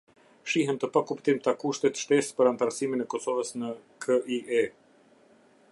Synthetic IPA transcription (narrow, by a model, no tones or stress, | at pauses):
ʃiɦɛnt̪əpakupt̪imt̪akuʃt̪ɛt̪ʃt̪ɛspəɾant̪aɾsiminɛkɔsɔvəsnəkʰəʔiʔɛ